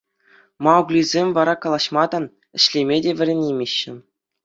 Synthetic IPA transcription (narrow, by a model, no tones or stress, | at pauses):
mɑuklʲizʲemʲvɑɾɑkɑlˠɑɕmɑd̪ɑ | ɘ̆ɕlʲemʲedʲeʋʲɘ̆ɾʲenʲemʲeɕːɘ̆